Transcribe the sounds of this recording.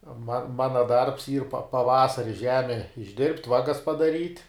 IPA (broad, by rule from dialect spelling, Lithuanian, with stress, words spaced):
mɐ ˈmɑːnɐ dɐrps iːr pɐ pɐˈʋɑːsɐrʲɪ ˈʒʲæːmʲɛ ɪʒʲˈdʲɪrʲpʲtʲ ˈʋɑːɡɐs pɐdɐˈrʲiːtʲ